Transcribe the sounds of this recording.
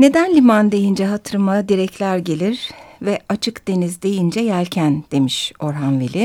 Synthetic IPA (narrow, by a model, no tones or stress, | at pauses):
ne̞d̪ænlʲimand̪e̞jind͡ʒɛɦat̪ʰɯɾmad̪iɾɛclʲæɾɟe̞lʲiɾ̥vɛat͡ʃʰɯkd̪̥e̞nizd̪e̞jind͡ʒɛjælʲcʰænd̪̥e̞miʃo̞ɾɦanvilʲi